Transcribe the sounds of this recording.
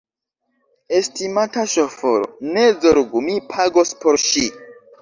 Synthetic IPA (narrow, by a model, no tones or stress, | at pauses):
e̞stimataʃofoɾo̰nezoɾɡumipʰaɡospoɾʃi